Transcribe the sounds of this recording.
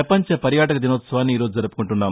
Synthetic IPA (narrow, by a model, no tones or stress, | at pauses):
ɐpɐɲt͡ʃɐpɐɾjaːʈɐkɐd̪inoːt̪sɐʋaːnːiːɾoːd͡ʒud͡ʒɐɾupu̥kuɳʈunːaːm